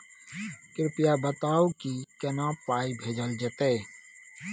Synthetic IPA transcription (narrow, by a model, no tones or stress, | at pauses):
kɾɪpijabət̪aːukikənapaibʱed͡ʒəld͡ʒet̪e